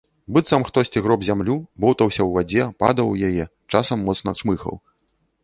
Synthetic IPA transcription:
bɨt̪sɐmxt̪ɔsʲt͡sʲiɣɾɔbzʲamlʲubɔwt̪ɐwsʲɐwvad͡zʲɛpa̰d̪ɐwjajɛ | t͡ʂasɐmːɔt̪snɐʂmɨxɐ̰w

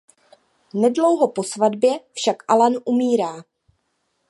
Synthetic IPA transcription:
nɛdlo̞wɦopo̞svadbjɛfʃakʔalanʔumiːɾaː

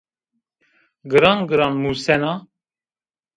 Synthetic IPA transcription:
ɡɨɾɑnɡɨɾɑnmuːsɛnɑ

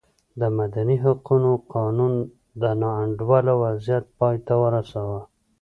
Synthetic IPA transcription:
d̪əmad̪aniɦaqunoqɑnun | d̪ənɑaɳɖwalawazjat̪̚pɑjt̪awəɾasawa

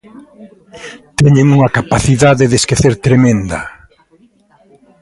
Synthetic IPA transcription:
t̪ɛɲeŋuŋɐkapaθiðaðeðeskeθeɾt̪ɾemẽnd̪ɐ̰

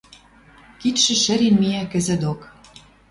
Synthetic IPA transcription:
kit̪ʃɘ̆ʃɘ̆ɾenmijækɘ̆zə̆d̪ok

